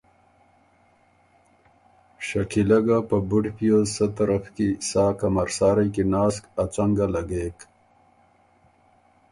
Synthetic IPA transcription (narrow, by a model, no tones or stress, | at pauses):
ʂakilaɡapəbuɖpijosət̪aɾafkisaːkamaɾsɑːɾajkinɑːskat͡saŋɡalaɡeːk